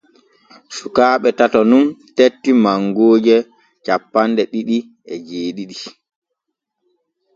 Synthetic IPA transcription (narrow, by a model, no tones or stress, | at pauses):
sukaːɓɛtatɔnuntetːimaŋɡoːd͡ʒɛ | t͡ʃapːandɛɗiɗi | ɛd͡ʒeːɗiɗi